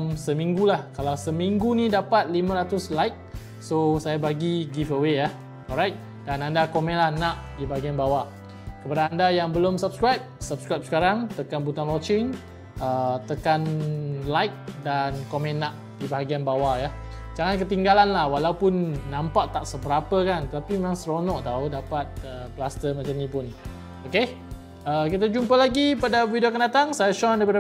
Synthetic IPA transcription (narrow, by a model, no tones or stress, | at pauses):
msəmĩŋɡulahkalawsəmiŋɡunĩdapat̪̚limãɾat̪ʊslajk̚ | sosajabaɡiɡifəweja | ɔɾajk̚ | danandakomɛ̃nlahnaʔdibaɦaɡianbawa | kəpadaːndajaŋbəlʊmsap̚skɹajp̚sap̚skɾajp̚sə̥kaɾaŋt̪əkanbut̪anlɔt͡ʃɪŋ | ət̪əkanlajk̚dankomɛ̃nːaʔ | dibaɦaɡianbawaja | d͡ʒaŋankət̪iŋɡalanlahwalawpʊnːãmpaʔt̪aʔsəbəɾapəkant̪ət̪apimemaŋst̪ɾonɔʔt̪audapat̪̚əplast̪əmat͡ʃamɲĩpʊn | oke | əkit̪̬ad͡ʒumpəlaɡipadavidiokandat̪aŋsajasɔndəp̬ada